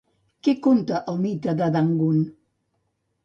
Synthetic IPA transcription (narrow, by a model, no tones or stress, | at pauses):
kekont̪əʔəlmit̪ɾad̪ad̪aŋɡun